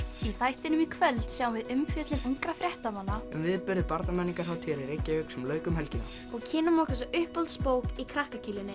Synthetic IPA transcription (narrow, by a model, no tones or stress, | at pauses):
iθajht̪ɪnʏmikʰvœlt̪sjaːwvɪðʏmfjɛːt̪lɪnuŋkɾafɾjɛht̪amanːaɛmvɪðpʏɾðɪpaɾt̪namɛnːiŋkaɾhawt̪ʰiɛɾiɾejcːaʏksɛmlœːɥkʏmɦɛlcɪna̰ | ɔɣcʰɪːnʏmɔhkas̬aʏhpɔlt̪spoːwkikʰɾahkacʰɪːlɪnːɪ